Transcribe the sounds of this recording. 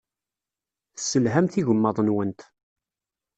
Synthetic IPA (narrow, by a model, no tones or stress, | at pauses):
θsːəlɦæmθiʝəmːɑðˤnwənt̪